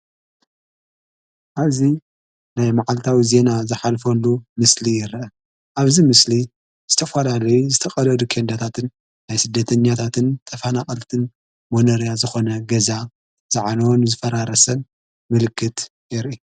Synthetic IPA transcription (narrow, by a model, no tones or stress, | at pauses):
ʔaβzi | najmaʕalt̪ʰawize̞nazɨħalfɐlːumɨslijɪɾʔɐ | ʔaβzimɨsli | z̥ɨt̪ʰɐfalalɐjuzɨt̪ʰɐxʼɐlɐd̪ukʰend̪at̪ʰat̪ʰɨnː | ajsɨd̪ːɐt̪ʰɐɲːat̪ʰat̪ʰɨnt̪ʰʼɐfanaχʼɐlt̪ʰɨn | monɐɾjazɨxo̞nɐɡɐza | z̥aʕanɐwnzɨfɐɾaɾɐsɐn | mɨlɨkʰːɨt̪ | jɛɾʔi